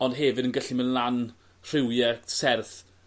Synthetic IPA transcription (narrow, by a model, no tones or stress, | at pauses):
ɔndɦɛvɪdənɡəɬimənlˠan | r̥ɪwjɛsɛrθ